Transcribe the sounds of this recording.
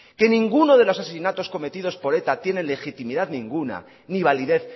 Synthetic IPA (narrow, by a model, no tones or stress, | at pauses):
ke̞nĩŋɡuno̞ð̞e̞lo̞sas̬esinat̪o̞skome̞t̪ið̞o̞spo̞ɾe̞t̪at̪je̞ne̞nle̞xit̪imiðaðnĩŋɡuna̰ | niβaliðe̞θ